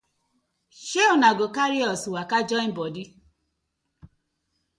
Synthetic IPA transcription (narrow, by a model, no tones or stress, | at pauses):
ʃeʊnaɡokaɾiɔswakad͡ʒɔibɔdi